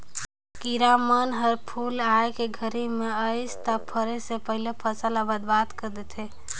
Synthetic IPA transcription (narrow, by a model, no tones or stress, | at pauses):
kiɾamənɦəɾpʰulaekeɡʱəɾimeəɪst̪apʰəɾesepəɦilepʰəsəlabəd̪bat̪kəɾd̪et̪ʰe